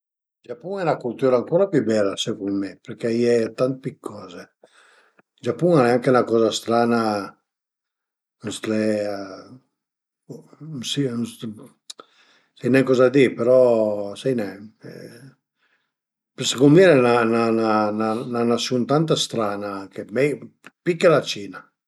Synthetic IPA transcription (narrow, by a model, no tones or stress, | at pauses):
d͡ʒapːuŋɛnakult̪uːɾaŋkɔːɾapjubɛlːasepɾumɛpeɾkɛiɛt̪ant̪pikʰːɔːze | d͡ʒapːuŋɛaŋkeunakɔːzast̪ɾaːna | ust̪ɾɛ | sins | sajnɛkɔːzad̪ipeɾɔsajnɛɛ̰ | psekonmiɾɛnanananananasjunt̪ant̪̬ast̪ɾaːnakemɛj | pikːelat͡ʃiːna